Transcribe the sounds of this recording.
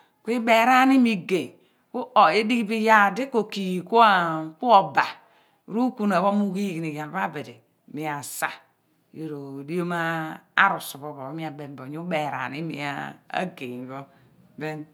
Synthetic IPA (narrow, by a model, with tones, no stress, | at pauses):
kʷi˦be˨ɾa˦ni˦mi˦ɡe˨ | ku˦ʔo˨e˦di˦kbi˦ja˦˨de˦ko˨ki˨ku˦a˦˨ku˦o˨ba˨ | ɾu˦ku˦na˨βo˦mu˦ɡi˦˨ɡi˨ni˨ja˨lba˦be˨de˨ | mi˨a˨sa˦˨ | jo˨ɾo˨di˦o˦ma˦a̰˦ɾu˨su˨βo˨βo˨˦mi˦a˨be˨m˦bo˨ɲu˦be˨ɾa̰˨ni˦mḭ˨a̰˦a̰˦ɡe˨βo˦be˦n